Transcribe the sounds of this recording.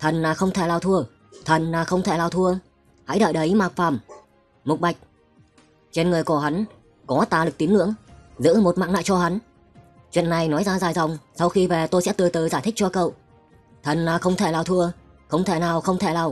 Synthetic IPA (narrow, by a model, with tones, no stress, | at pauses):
t̪ʰə˨˩nnaː˨˩xə˧wŋ͡mt̪ʰe˧˩laː˨˩t̪ʰu˧ə | t̪ʰə˨˩nːaː˨˩xə˧wŋ͡mt̪ʰe˧˩laː˨˩t̪ʰu˧ə | ha̰˧˥jɗə̰ː˧˨jɗə˨˦jmaː˨˩k̚faː˧˩m | mʊ˨˩k͡p̚ɓa˨˩jk̟̚ | t͡ɕe˧nŋɨ˨˩əjko˧˩ɦa˨˦n | kɔ˨˦t̪aː˨˩lɨ˨˩k̚t̪i˨˦ənɨ̰˧˥əŋzɨ̰˧˥mo˨˩t̚ma̰ː˧˨ŋna̰ː˧˨jt͡ɕɔ˧ɦa˨˦n | t͡ɕwḭ˧˨ənːa˨˩jnɔ˨˦jzaː˧zaː˨˩jza˨˩wŋ͡msa˧wxi˧ve˨˩t̪o˧jsɛ̰˧˥t̪ɨ˨˩ət̪əː˨˩zaː˧˩jt̪ʰï˦˥k̚t͡ɕɔ˧kə̰˧˨w | t̪ʰə˨˩nnaː˨˩xə˧wŋ͡mt̪ʰe˧˩laː˨˩wt̪ʰu˧ə | xə˧wŋ͡mt̪ʰe˧˩naː˨˩wxə˧wŋ͡mt̪ʰe˧˩laː˨˩w